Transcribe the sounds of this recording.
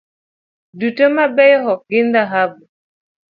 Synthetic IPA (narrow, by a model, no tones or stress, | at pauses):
dutəmabɛjɦɔɡɪndaɦabu